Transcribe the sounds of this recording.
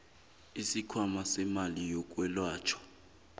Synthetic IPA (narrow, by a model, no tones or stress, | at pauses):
isikʰwamasɛmalijɔk̬ʼwɛlwaːt͡ʃʰɔ̥